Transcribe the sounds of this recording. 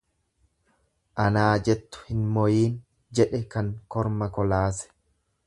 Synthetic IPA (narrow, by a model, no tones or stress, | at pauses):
ʔɐnaːd͡ʒɛt̪ːʊ̥hɪnmɔjiːn | d͡ʒɛᶑɛkɐŋkɔɾmɐkɔlaːsɛ̥